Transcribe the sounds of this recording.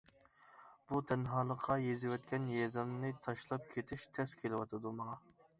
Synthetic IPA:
b̥ut̪ʰɛnɦɑːlˠəqʰːɑjezɪwɛt̪̚kʲʰɛnjɛzɨmnɨt̪ʰɑʃlˠɑp̚kʲʰet̪ʰɪʃt̪ʰɛskʲʰelɪwɑt̪ʰɨd̪umɑŋɑ

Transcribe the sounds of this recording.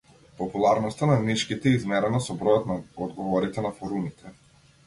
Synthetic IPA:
pɔpulˠaɾnɔst̪anamiʃkit̪ɛːizmɛɾɛnasɔbɾɔjɔt̪naɔd̪ɡɔvɔɾit̪ɛnafɔɾumit̪ʰɛ

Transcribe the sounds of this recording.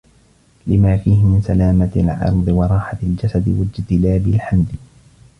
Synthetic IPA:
lɪmaːfiːhɪmɪnsalaːmalʕɑ̰ɾˤd̪ˤɨwɑɾˤɑːħaɪld͡ʒasad̪ɪwad͡ʒt̪ɪlaːbɪlħamd̪

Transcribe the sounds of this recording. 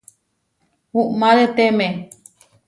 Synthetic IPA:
uʔmãɾet̪eme

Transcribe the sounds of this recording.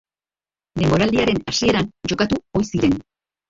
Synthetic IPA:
d̪e̞mbo̞ɾald̪iaɾe̞nasie̞ɾand͡ʒo̞kat̪uo̞jsiɾe̞n

